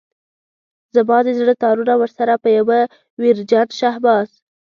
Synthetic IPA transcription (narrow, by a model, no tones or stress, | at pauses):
zabɑd̪ezɽət̪ɑɾunawəɾsaɾapəjawə | wiɾd͡ʒanʃahbɑz